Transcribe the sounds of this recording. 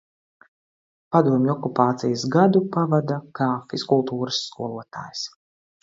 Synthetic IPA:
pad̪uɔmʲɔkupaːt̪sijasɡad̪upavad̪akaːfiskulˠt̪uːɾɨsːkuɔlˠuɔt̪a̰ːjs

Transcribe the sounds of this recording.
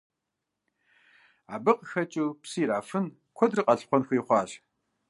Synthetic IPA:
a̰ːbɨqəxɐt͡ʃʼupsiːɾaːfɨn | kʷʰɔdrɨqʼɐɬχʷɔnxʷiːχʷɑːɕ

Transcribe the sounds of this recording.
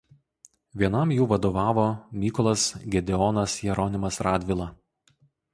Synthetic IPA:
ʋʲiɛnɐmjuːʋɐd̪oːʋɑːʋoːmʲiːkɔlˠɐsɡʲɛd̪ʲɛɔnɐsjɛɾɔnʲɪmɐsɾɑːd̪ʲʋʲɪlˠɑ

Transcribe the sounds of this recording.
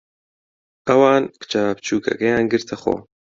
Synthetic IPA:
ɐwɑːnkɨ̥t͡ʃapt͡ʃʰuːkʰɐ̰kɛjaːnɡɨɾt̪ʰɐxo̰ː

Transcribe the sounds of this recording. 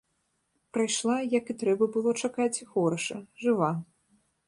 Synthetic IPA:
pɾajʂlˠajɐkɨt̪ɾɛbɐbɨlˠɔt͡ʂakat͡sʲxɔɾɐʂɐʐɨva

